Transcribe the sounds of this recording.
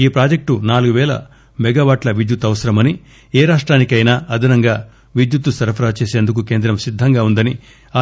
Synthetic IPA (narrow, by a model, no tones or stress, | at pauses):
iːpɾaːd͡ʒek̚ʈunaːluɡuʋɛːlɐ̰ | mɛɡaːʋaːʈlɐʋid̪jut̪ːɐʋɐsɐɾɐmɐni | ɛːɾaːʂʈɾaːnikɐjnaːɐd̪ʱɐnɐŋɡaː | ʋid̪jut̪ːusɐɾɐpʰɐɾaːt͡ʃeːseːnd̪uk̬uke̞ːnd̪ɾɐmsid̪ʱːɐŋɡaːund̪ɐni | aː